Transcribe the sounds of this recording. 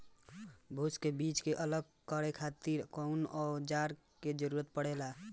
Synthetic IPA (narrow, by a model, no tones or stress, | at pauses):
bʱuskebit͡ʃkeʔələɡ̚ | kəɾekʰat̪iɾkɔunɔːd͡ʒaɾ | ked͡ʒəɾuɾət̪̚pəɽ̤ela